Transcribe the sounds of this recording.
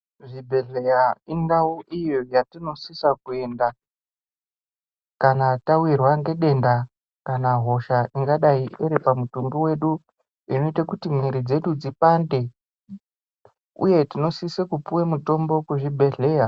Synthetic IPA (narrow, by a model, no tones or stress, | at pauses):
ʐibʱe̞ɮejaindauʔijojatino̞sisakue̞nda | kanatawirwaŋɡe̞ɗe̞nda | kanaɦo̞ʃaiŋɡaɗaieɾepamutumɡiwe̞ɗu | ino̞itakutimwiɾid͡ze̞ɗud͡zipande̞ | ṵje̞tino̞sisekupuwemuto̞mbo̞kuʐibʱe̞ɮe̞ːja